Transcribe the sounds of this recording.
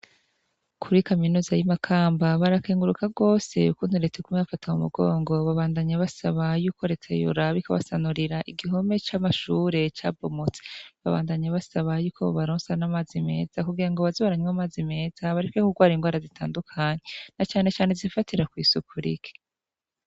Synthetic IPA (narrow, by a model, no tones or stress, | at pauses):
kʰuɾikaminuːzajimakʰaːmbaβaɾakeːŋɡuɾukaɡo̞ːse̞̰ukuːnhuɾetekumeβafatʰamumṵɡoːŋɡo̞βaβaːndaɲaβasaβajuːkʰo̞ɾet͡sḛjṵɾaβikaβa̰sanuɾiɾaʔiɡiɦo̞me̞t͡ʃamaʃuːɾe̞t͡ʃa̰ːbomot͡seβaβa̰ːndaɲaβasaβajuːkʰoβaɾoːnsanamaːzime̞̰ːz̥akuɡiɾaŋɡoβazoβaɾaɲwamaːzime̞ːz̥aβaɾikwekuɡwaːɾiŋɡwaːɾazitʰaːndukʰaːɲenat͡ʃaːne̞t͡ʃaːnezifatiɾakwiːsukʰuɾḭke̥